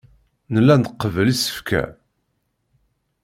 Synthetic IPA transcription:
nəlːænd̪əqːəvəlisə̥fkʰæ̰

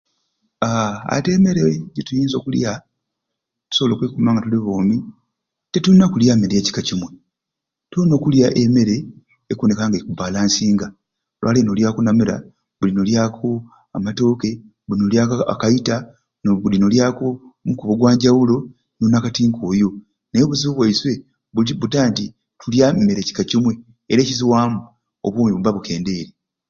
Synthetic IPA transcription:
aa̰te̞ːme̞ɾeɟetujiːnzo̞̰ːkulja | tu̥so̞βolokwekumaːŋɡatuliβoːmi | tetunːakuljameɾeːci̥kacimwe̞ | tono̞ːkuljaʔeme̞ɾe̞ː | kunekaŋɡakubaːlaːnsiːŋɡa | lwʔa̰ːlenoljaːkonameɾa̰ | βulinoljaːkʰo | amato̞ːke̞ | βulinoljaka̰kaita | nβulinoljaːkomukuβoɡwaːɲɟawulo̞ | nunakatiːŋkʰoːjo̞ | neβuziβuβwaiswe̞ | βuβutaːnti | tuljamme̞ɾe̞ci̥kacimwe̞ː | ɾeːciziwaːmu | o̰βuːmiβuβaβuke̞ːnde̞ːɾe

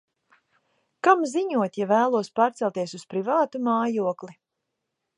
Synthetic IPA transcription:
kamziɲuɔt̪javæːlˠuɔspaːɾt̪sɛlˠt̪iɛsuspɾivaːt̪umaːjuɔkli

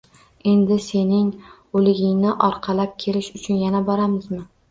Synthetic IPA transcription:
e̞nd̪ɪse̞nɪŋ | olɪɡʲɪŋnɪʔɒɾqʰɑlap̚kʲʰelɪʃʊt͡ʃʰʊnjanabɒɾamɪzmɪ

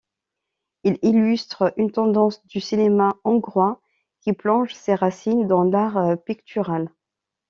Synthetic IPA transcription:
ililyst̪χəynt̪ɑ̃d̪ɑ̃sd̪ysinemaɑ̃ɡʁwa | kʲiplɔ̃ʒseʁasind̪ɑ̃laʁpikt̪ʰyʁal

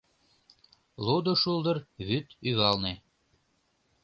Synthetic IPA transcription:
lud̪oʃuld̪ərβyt̪yɣɑlne

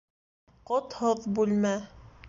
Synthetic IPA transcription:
qot̪hɤðbʉlmæ

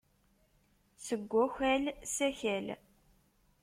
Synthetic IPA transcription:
səɡʷːæçʷælsæçæl

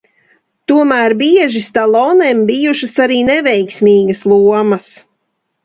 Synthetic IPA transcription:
t̪uɔmæːɾbiɛʒist̪alˠɔnembijuʃɐsaɾiːnevɛjksmiːɡɐslˠuɔmɐs

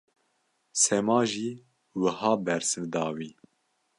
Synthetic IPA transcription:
sɛmɑːʒiː | wəhɑːbɛɾsɨvd̪ɑːwiː

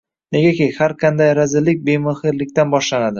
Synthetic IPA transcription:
ne̞ɡʲakʲejhaɾqʰɑnd̪ajɾazɪlːɪkʲbemɪhɪɾlɪkʲt̪anbɒʃlanad̪ɪ

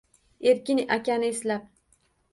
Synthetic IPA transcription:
e̞ɾkʲɪnʔakʲanɪːslap̚

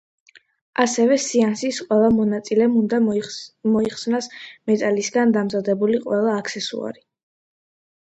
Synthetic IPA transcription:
asɛvɛsiansisqʼwɛlˠamɔnat̪sʼilɛmund̪amɔiχsnasmɛt̪ʼalisɡand̪amzad̪ɛbuliqʼwɛlˠaːkʰsɛsṵa̰ɾi

